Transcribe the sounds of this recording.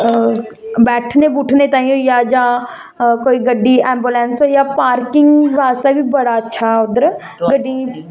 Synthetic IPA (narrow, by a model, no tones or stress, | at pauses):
bɛːʈʰnebuʈʰnet̪ãːĩjõjad͡ʒãː | koːiɡəɖːiɛ̃ːmbulɛ̃ːnsɦojapaːɾkɪ̃ŋɡʋaːst̪abʱibɐɽaɐtːʃʰaʊd̪əɾ | ɡəɖːĩ